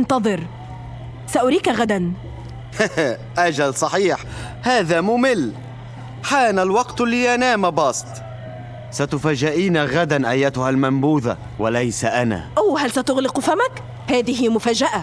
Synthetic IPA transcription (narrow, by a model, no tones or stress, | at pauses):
nt̪ɑðˤɨɾ | saʔʊɾiːkaɣad̪an | h | ʔad͡ʒalsˤɑħiːħ | haːðamʊmɪlː | ħaːnalwɑqt̪lːiːʔanaːmabɑsˤt̪ | sat̪ʊfaːʒɪʔiːnaɣad̪anʔajːat̪ʊhalmambuːða̰ | walajsaʔana̰ːʔawhalsat̪ʊɣlɪqfamak | haːðɪɦɪmʊfaːd͡ʒaʔa